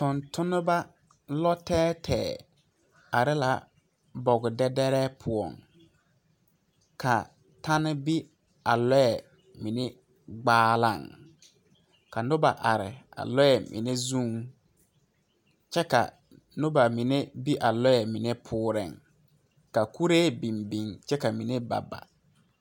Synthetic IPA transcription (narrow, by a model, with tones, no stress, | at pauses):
tʊ˨ntʰʊ˦nʊ˦ba˦ | lɔ˦tɛː˦tʰɛː˨ | a˨ɾɪ˦la˨ | bɔ˨ɡʊ˨dɛ˦dɛ˦ɾɛː˦pʰʊ˨ɔ̰˨ŋ | ka˨ | ta˦nɪ˦bi˦ | a˨lɔ˦jɛ˨ | mi˨ne˦ | ɡ͡baː˦la̰˦˨ŋ | ka˨nʊ˦ba˨ʔa˨ɾɪ˨a̰˨lɔ˦jɛ˨mʔɪ̰˨ne˦zũ˦ŋ | t͡ʃɛ˦ka̰˨ | nʊ˦ba˨mi˨ne˦bi˦ʔa˨lɔ˦ɛ˨mɪ˨ne˦pʰʊː˦ɾɪ̰˨ŋ | ka˨ku˦ɾeː˦bi˨mbi˨ŋt͡ʃɛ˦ka˨mi˨ne˦ba̰˨ba̰˨